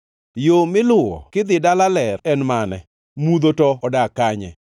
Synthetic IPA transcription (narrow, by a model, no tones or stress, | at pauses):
jomɪlʊɔ̰kɪd̪ɪdalalɛrɛnmanɛ | mud̪otɔɔdakaɲɛ̰